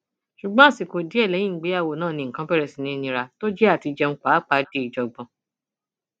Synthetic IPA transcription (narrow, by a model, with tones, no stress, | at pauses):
ʃu˨ɡ͡bã˦˨si˨ko˨di˨˦ɛ˦˨lɛ˨˦jĩ˦˨ɡ͡be˨˦a˦˨wo˨nãː˦˨nĩ˧˦ŋ̩˨kã˦pɛ˦ɾɛ˨si˨nĩ˦nĩ˧ɾa˧to˦d͡ʒɛ˦a˦˨ti˧d͡ʒɛ˧ŋ̩˦k͡pa˨˦k͡pa˨˦de˧˦i˨d͡ʒɔ˨ɡ͡bɔ̃˨